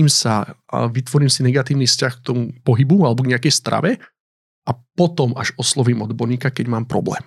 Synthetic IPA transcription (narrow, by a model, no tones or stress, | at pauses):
iːmsaʋit̪ʋɔɾiːmsinɛɡat̪iːʊniːfscaxk̚t̪ɔmupɔɦibualɛbɔɡɲɛakɛjst̪ɾa̰ʋɛ | apɔt̪ɔmaʒɔslɔʋiːmɔd̪bɔɾɲiːkakɛɟmaːmpɾɔ̰blɛ̰ːm